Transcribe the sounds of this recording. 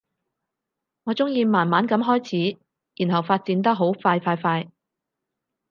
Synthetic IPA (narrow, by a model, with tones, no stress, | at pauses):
ŋɔː˨˧t͡sʊ˥ŋjiː˧maː˨˩nmaː˨˥nkɐ˨˧˥mɦɔː˥jt͡sʰiː˨˥ | jiː˨˩nɦɐ˨˩wfaː˧t̚t͡siː˨˧˥nt̪ɐ˥k̚ɦo˨˥wfaː˧jfaː˧jfaː˧j